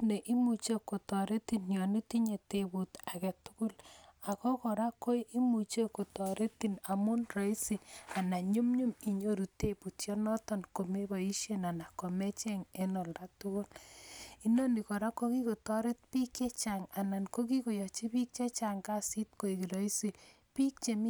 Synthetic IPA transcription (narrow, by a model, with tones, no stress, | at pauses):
ne˨ʔi˦mu˨t͡ʃe˦ko˨tɔ˨ɾe˦ti˦˨njɔ˨ne˦ti˦ɲe˨tebu˨ta˨kɛ˨tu̥˦kʊ˦la˨kɔ˦kɔ˨ɾa˦kːo˦jʔi˦mu˨t͡ʃe˦ko˨tɔ˨ɾe˦ti˨na˨mu˦nrɔ˨i˦si˨a˨na˨ɲu˦mɲu˦mi˨ɲo˦ɾu˨te˦pu˨tjɔ˦nɔ˦tɔ˦nko˨me˦bɔ˨i˦ʃe˦na˨na˨kɔ˨me˦t͡ʃe˦ŋe˦nɔ˨lda˦tʊ˦kʊ˦li˦nɔ˦ni˨kɔ˨ɾa˦ko˦ki˦ko˨tɔ˦ɾe˦t̚pi˦ke˦t͡ʃa˨ŋa˨na˨nko˦ki˦ko˨jɔ˨t͡ʃi˦pi˦k̚t͡ʃe˦t͡ʃa˨ŋɡa˦si˦t̚ko˨i˨ki˨ɾɔ˦i˦si˨ | pi˦k̚t͡ʃe˨mi˦